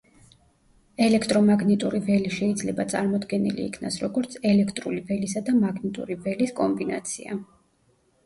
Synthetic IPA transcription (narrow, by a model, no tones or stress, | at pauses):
ɛlɛkʰt̪ʼɾɔmaɡnɛt̪ʼuɾivɛliʃɛid̪zlɛbat̪sʼaɾmɔd̪ɡɛnḭlḭːkʰnasɾɔɡɔɾt̪sʰɛlɛkʰt̪ʼɾṵlivɛlisad̪amaɡnit̪ʼṵɾivɛliskʼɔmbina̰t̪sʰia